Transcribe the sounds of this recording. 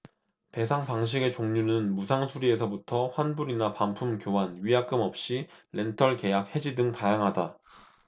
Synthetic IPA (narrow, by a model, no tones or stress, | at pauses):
te̞sʰaŋpaŋɕ̬ʰiɡe̞t͡ɕoŋɲunɯnmusʰaŋsʰuɾie̞sʰʌbutʰʌɸwanbuɾinapampʰumkjoɦanɥijak͈ɯmʌp̚ɕ͈iɾe̞ntʰʌɭke̞jak̚he̞d͡ʑidɯŋtajaŋɦada